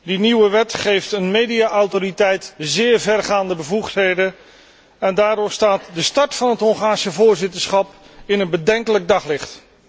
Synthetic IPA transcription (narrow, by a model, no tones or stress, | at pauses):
diniwəʋɛtχejftənmejdijaʔɔwtoritɛjtzɪːɹvɛrχaːndəbəvuχtɦejdə | ɛndaːɾʊstaːtdəstɑɹtfɑnɦətɦɔŋχaːɹsəvʊːɹzɪtəɹsχɑp | ɪnənbədɛŋkələɡ̚dɑχlɪχt